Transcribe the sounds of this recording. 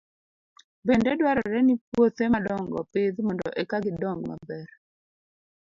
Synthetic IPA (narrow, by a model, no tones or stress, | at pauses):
bendɛdwaɾɔɾɛnipwot̪emadɔŋɡɔ̰pɪd̪mɔndɔ̰ʔɛkaɡɪdɔŋɡma̰bɛɾ